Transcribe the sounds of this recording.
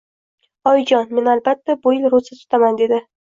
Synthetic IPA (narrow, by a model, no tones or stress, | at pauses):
ɒjd͡ʒɒnme̞nalbat̪ʰːabʊɪlɾʊsɪt̪ʰʊ̥t̪ʰamand̪e̞d̪ɪ